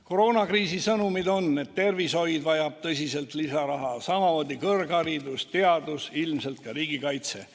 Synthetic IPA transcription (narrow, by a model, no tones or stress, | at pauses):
koɾoːnɑkriːsisɤnumid̪o̞nːe̞tt̪ːe̞rviso̞jd̪vɑjɑb̥̚t̪ɤsise̞lt̪lisɑɾɑɦɑsɑmɑoːd̪ikɤrɡ̥ɑɾid̪ust̪e̞ɑd̪usilmse̞lt̪̚kɑɾiːɡikɑjt̪se̞̰